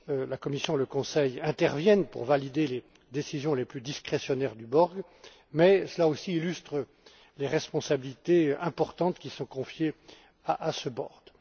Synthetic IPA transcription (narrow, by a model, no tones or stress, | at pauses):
lakɔmisjɔ̃ləkɔ̃sɛjɛ̃t̪ɛʁvjɛnpṵʁvalid̪ele | d̪esizjɔ̃leplyd̪iskχesjɔnɛʁd̪ybɔʁɡ | mɛsəlaosiːlyst̪χə | leʁɛspɔ̃sabilit̪eɛ̃pɔʁt̪ɑ̃t̪kʲisɔ̃kɔ̃fje | aʔasəbɔ̰ʁd̪